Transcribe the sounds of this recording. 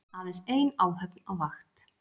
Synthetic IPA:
aðɪseːjnaːwɦœpnawvaxt̪

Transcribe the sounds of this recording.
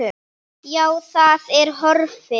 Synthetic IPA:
ʏ | jaːwθaðɛɾ̥ɦɔɾfɪ

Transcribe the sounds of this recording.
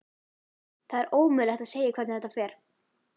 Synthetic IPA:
θaðɛɾʔoːwmʏlɛxt̪aðseːjɪkʰvɛɾt̪nθɛt̪ːafɛːɾ̥

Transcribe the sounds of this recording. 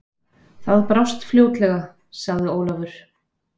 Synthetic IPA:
θaðpɾawst̪fljoːwt̪lɛɣa | saɣðɪoːwlavʏɾ̥

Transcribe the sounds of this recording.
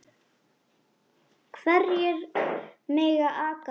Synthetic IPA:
kʰvɛrjɛɾmeːjɣaʔaːka

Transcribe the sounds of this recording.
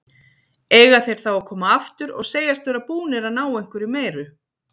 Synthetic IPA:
eːjɣaθejɾ̥θawakʰɔːmaaft̪ʏɾɔ̰ɣseːjast̪vɛɾapuːnɛɾanaːwejŋ̥kʏɾimeːjɾʏ

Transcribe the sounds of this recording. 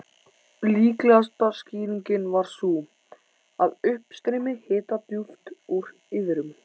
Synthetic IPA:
liːklɛɣast̪ḁsciːɾiɲcɪnvaɾ̥su | aðʏhpst̪ɾɪmɪhɪːt̪at̪juft̪uɾ | ɪðɪɾʏm

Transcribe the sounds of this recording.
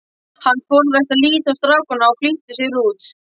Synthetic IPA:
hanːkɔːɾðɛht̪aðliːt̪ast̪ɾaːwkʏnaɔfliht̪ʏsɪɾuːt̪s

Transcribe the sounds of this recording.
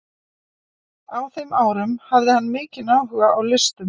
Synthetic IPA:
awθejmʔaːwɾʏmhavðɪhanːmɪːcɪnaːwɦʏɣaʔawlɪst̪ʏm

